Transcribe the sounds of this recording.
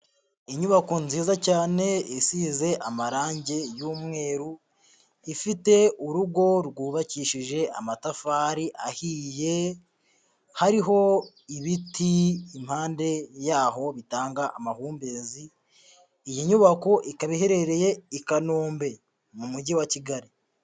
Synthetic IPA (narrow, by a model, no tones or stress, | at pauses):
iɲuβako̞nziːzacaːne̞isize̞ʔamaɾaːɲɟe̞juːmŋe̞ːɾu | ifite̞uɾuɡo̞ɾɡuːβaciːʃiʒe̞ʔa̰matafaːɾiʔahiːje̞ | haɾiɦo̞ | iβitiːm̥haːnde̞jaːɦo̞βitaːŋɡaʔamahuːmbeːziː | jiɲuβako̞ʔikaβiɦe̞ɾe̞ɾe̞je̞ikanoːmbe̞ | mumuɟiwaciɡaɾi